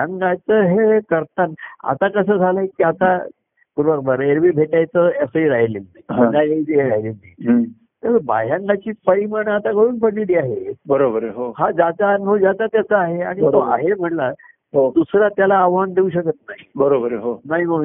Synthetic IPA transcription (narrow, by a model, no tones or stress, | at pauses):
jaŋɡat͡səɦekəɾt̪ana̰t̪akəsəːd͡zʱaləɦekiːat̪a | puɾʋakbəɾeɾʋiːbʱeʈajt͡səəsəiɾaɦjlimnaiɦãnajait̪ieɾaɦjlimni | t̪əba̰jãŋɡat͡ɕiːpəɾimaɽəat̪aɡəɽuːnpəɽliliːaɦebəɾobəɾɦohad͡zat͡saːnubʱəʋd͡zat̪at̪jat͡səaɦeaɽ̃it̪oa̰ɦem̤əʈla | od̪usɾat̪jalaːʋand̪euɕ̬əkət̪̚naɦibəɾobəɾɦonaɦiməɡ